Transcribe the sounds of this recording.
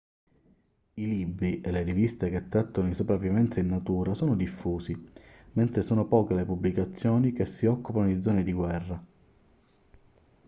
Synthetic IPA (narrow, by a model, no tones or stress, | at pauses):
ilibɾiʔelerivist̪ek̟et̪ːɾat̪ːonoinsopɾavːivɛnt̪sainːat̪uːɾasɔːnod̪ifːuːsi | ment̪ɾesɔːnopɔːkelepubːlikat̪sːjɔːnik̟esːiɔkːupanod̪id̪zːɔːned̪iɡwɛrːa